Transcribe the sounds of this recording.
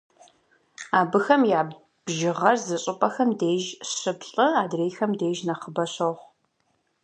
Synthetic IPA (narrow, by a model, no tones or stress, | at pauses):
aːbɨxɐmjaːb | bʒɪʁɐrzɨɕʼɨpʼɐxɐmdeːʒɕɨbɬʼɨaːdreːxɐmdeːʒnɐχəbɐɕɐʁʷ